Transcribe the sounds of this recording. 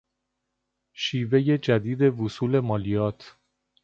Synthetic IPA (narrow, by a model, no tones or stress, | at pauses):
ʃiːve̞je̞d͡ʒæd̪iːd̪e̞vusuːle̞mɒːlijɒːt̪ʰ